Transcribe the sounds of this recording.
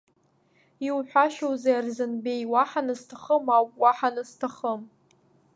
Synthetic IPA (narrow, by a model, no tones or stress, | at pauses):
iwħᶣʷaʃowzaarzɨnbejwaħanɨztʰaχəmawpʼwaħanɨz̥tʰaχəm